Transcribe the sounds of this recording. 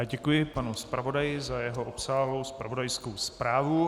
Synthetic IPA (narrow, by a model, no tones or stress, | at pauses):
ɟɛkujɪpanuspɾavo̞dajɪzajɛɦoʔopsaːɦlo̞wspɾavo̞dajskowspɾaːvu